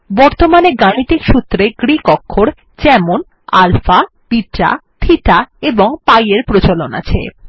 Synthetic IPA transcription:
bɔɾt̪omaneɡanit̪ikʃut̪ːɾeɡɾikɔkʰːoɾ | t͡ɕɛmon | a̰lfa | piʈɾa̰t̪ʰiʈaeboŋpajeɾpɾot͡ɕolona̰t͡ɕʰḛ

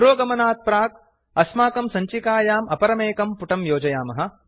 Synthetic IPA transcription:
ɾoːɡɐmɐnaːt̪̚pɾaːk̚ | ɐsmaːkɐmsɐɲt͡ʃikaːjaːmɐpɐɾɐmeːkɐmpuʈɐmjoːd͡ʒɐjaːmɐɦɐ̆

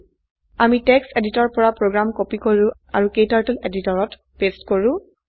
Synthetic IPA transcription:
amitɛkseditɔɹpɔɹapɹoɡɹamkopikoɹʊ̃ | aɹukejtaɹtɛleditɔɹɔt | pestkoɹʊ̃

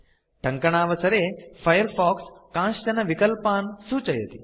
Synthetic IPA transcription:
ʈɐ̃ŋkəɳ̃aːʋɐsɐɾefɐjəɾfɔːkskãːst͡ɕɐnɐʋikəlpaːnsuːt͡ʃɐjə̰t̪i

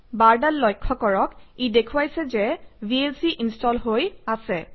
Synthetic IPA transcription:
baɹdallːɔjkʰːɔkɔɹɔkidekʰuwajsɛzɛbielsiʔinstɔlɦojasɛ

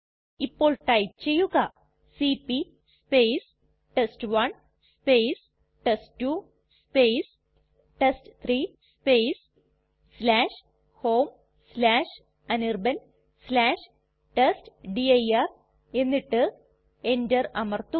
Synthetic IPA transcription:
ipːo̞ːɭʈɐjt͡ɕe̞jːuɣɐ | sipi | speːjs | ʈesʈʋɐn | speːs | ʈesʈtːu | speːs | ʈesʈt̪ʰriːspeːs | slaːʂ | hoːm | slaːʂ | ɐnirbɐn | slaːʂ | ʈesʈɖiɐjɐr | e̞nːiʈːɨ | endɐrɐmɐrt̪u

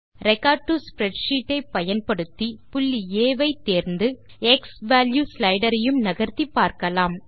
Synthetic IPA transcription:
ɾɛkaːʈuspɾɛɖʂiːʈːɐɪpːɐjɐnpɐɽɯt̪ːipʊlːieːʋɐɪt̪ːeːɾnd̪ɯ | ɛksʋaːljuːslɐɪɽɐɾɐjɯmnɐɣɐɾt̪ipːaːɾkɐlaːm

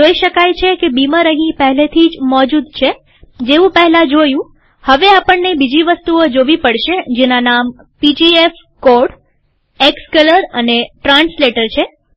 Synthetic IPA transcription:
d͡ʒoiʃəkajt͡ʃʰekebimaɾəɦĩpəɦɛlet̪ʰid͡ʒmɔd͡ʒud̪t͡ʃʰe | d͡ʒeʋũpəɦɛlad͡ʒojũ | həʋeapəɳːebid͡ʒiʋəst̪uod͡ʒoʋipəɽʃed͡ʒenanam | pid͡ʒief | koɾɖ | ekskələɾəneʈɾãnsleʈəɾt͡ʃʰe

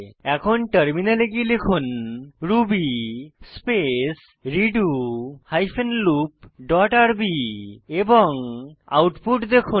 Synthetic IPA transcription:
ɛkʰɔnʈəɾminaleɡilekʰunɾubispes | ɾiɖuhajpʰenlup̚ɖɔʈaɾbiebɔŋa̰wʈpuʈd̪ekʰu

